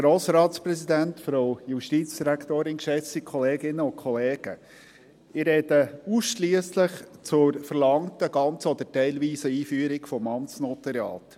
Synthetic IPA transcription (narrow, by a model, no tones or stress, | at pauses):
ɡ̥ɾoːsɾɑːtspɾɛsidæntfɾoʊjuʃtiːt͡sd̥iɾækt̪oːɾɪnkʃɛt͡sikχɔleːɡɪnːəʊnkʰɔleːɡ̥ə | ɪrɾɛdəusʃliəsləχt͡sʊɾfəɾlɑŋtəɡɑnt͡sɔd̪ətɛɪlʋiːsəiːfyːəɾɪkfɔmɑmsnɔt̪ɛɾjɑ̰ːt